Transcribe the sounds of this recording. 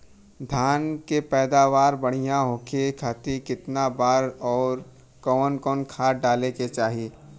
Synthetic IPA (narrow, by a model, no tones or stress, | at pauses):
d̪ʱaːnkepɛːd̪aːʋaːɾbɐɽ̤ijãɦoːkʰekʰat̪ikɪt̪nabaːɾɔːɾ | kɔːnkɔːnkʰaːɖaːleket͡ʃaːɦeː